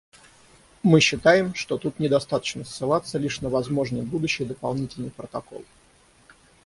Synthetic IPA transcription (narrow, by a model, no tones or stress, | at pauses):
mɨɕːɪt̪ajɪmʂt̪o̞t̪ut̪nʲɪd̪ɐst̪at̪ə̥t͡ɕnəsːɨlˠat̪sːəlʲiʂnəvɐzmo̞ʐnəjbud̪ʊɕːɪjd̪əpɐlˠnʲitʲɪlʲnɨjpɾət̪ɐko̰lˠ